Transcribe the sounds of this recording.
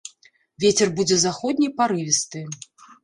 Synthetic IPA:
vʲet͡sʲɛrbud͡zʲɛzaxɔd̪̚ʲnʲijpaɾɨvʲist̪ɨ

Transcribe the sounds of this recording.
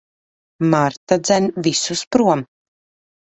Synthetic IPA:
maɾt̪ad̪zænʲvʲisuspɾuɔm

